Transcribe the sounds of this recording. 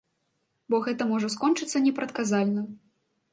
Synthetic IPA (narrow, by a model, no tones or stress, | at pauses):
bɔɣɛt̪ɐmɔʐɐs̬kɔnt͡ʂɨt̪sːɐnʲɛpɾɐt̪kazalʲnɐ